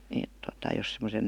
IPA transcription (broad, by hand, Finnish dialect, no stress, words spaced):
eˑt totɑ jos semosen